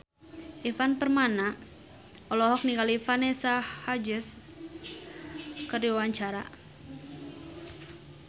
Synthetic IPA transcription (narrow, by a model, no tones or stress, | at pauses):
ʔifanpərmana | ɔlɔɦɔk̚niŋɡalifanesahad͡ʒɪs | kərdiwwaɲt͡ʃaɾa̰